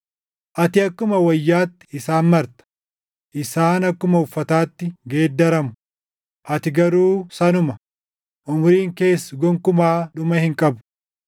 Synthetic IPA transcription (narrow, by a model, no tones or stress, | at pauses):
ʔɐt̪ɪɐkːʊmɐwɐjːaːt̪ːɪ̥ɪsaːnmɐɾt̪ɐ̥ | ʔɪsaːnɐkːʊmɐʊfːɐt̪aːt̪ːɪɡeːd̪ːɐɾɐmʊ | ʔɐt̪ɪɡɐɾuːsɐnʊmɐ | ʔʊmʊɾiːŋke̞ːsːʊɡɔŋkʊmaːᶑʊmɐhɪŋkʼɐbʊ̥